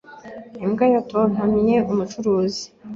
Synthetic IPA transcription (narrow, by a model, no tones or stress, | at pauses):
imɡajaton̥amiɲeʔumut͡ʃuɾuːzi̥